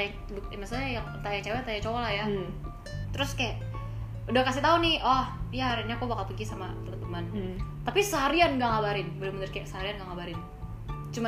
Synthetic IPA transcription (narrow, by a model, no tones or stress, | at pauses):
aa | buk̚inasaajaŋt̪ajat͡ʃawɛt̪ajat͡ʃolaja | t̪əɾʊskajaʔ | udahkasit̪aunɪʔɔhijaaɾinɲakubakalpəɡisamat̪əmət̪əmənt̪apisəɦaɾianɡaŋabaɾɪnbəlumənərkajaʔsəɦaɾianɡaŋabaɾɪn | t͡ʃuma